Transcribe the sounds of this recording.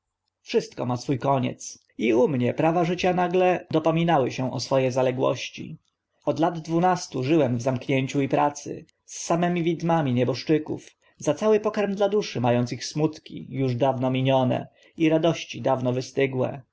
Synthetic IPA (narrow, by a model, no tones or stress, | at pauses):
fʂɘst̪̚kɔmasfujkɔɲɛ̰t̪s | iumɲɛpɾavaʐɘt͡ɕanaɡlɛd̪ɔpɔmʲinawɘɕɛ̃ʔɔsfɔjɛzalɛɡwɔ̰ɕt͡ɕḭ | ɔd̪lad̪ːvunast̪uʐɘwɛmvzamkɲeɲt͡ɕuipɾat̪sɘ̰ | sːamɛmʲivʲid̪mamʲiɲɛbɔʂt͡ʂɘkṵf | zat̪sawɘpɔkaɾmd̪lad̪uʂɘmajɔnt̪sixsmut̪kʲḭjuʐd̪avnɔmʲiɲɔnɛ̰ | iɾad̪ɔɕt͡ɕid̪avnɔvɘst̪ɘɡwɛ̰